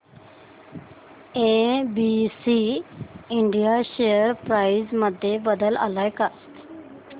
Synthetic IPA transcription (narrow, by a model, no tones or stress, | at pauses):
eːbiːsiːɪɳɖijaʃeəɾpɾaːizməd̪ʱjebəd̪əla̰laːjka